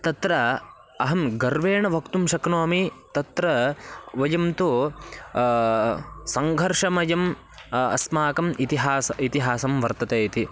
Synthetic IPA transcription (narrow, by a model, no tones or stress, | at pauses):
t̪ɐt̪ɾɐ | ɐɦɐmɡɐɾʋeːɳɐʋʱɐkt̪umʃɐknoːmit̪ɐt̪ɾɐʋɐjɐmt̪u | sɐŋɡʱɐɾʂɐmɐjɐm | ɐ̰smaːkɐmit̪iɦaːsɐit̪iɦaːsɐmʋɐɾt̪ɐt̪eːt̪i